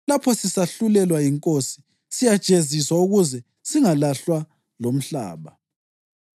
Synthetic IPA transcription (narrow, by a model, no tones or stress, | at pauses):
lapʰɔsisaɬulɛlwajiŋkʼosi̥ | sijad̥ʒ̥ʱʼeziswauɣuzɛ | siŋalaɬwa | lom̩ɬa̰ːβa